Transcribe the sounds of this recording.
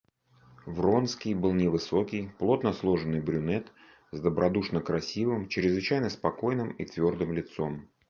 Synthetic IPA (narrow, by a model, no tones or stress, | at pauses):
vro̞nskʲɪjbɨlˠnʲɪvɨso̞kʲɪjplˠo̞t̪nəslˠo̞ʐɨnːɨjbɾʲʊnɛt̪ | zd̪əbɾʔɐd̪uʂnəkɾɐsʲivɨmt͡ɕɾʲɪzvɨt͡ɕæjnəspɐko̞jnɨmit̪vʲo̞rd̪ɨmlʲɪt̪so̞m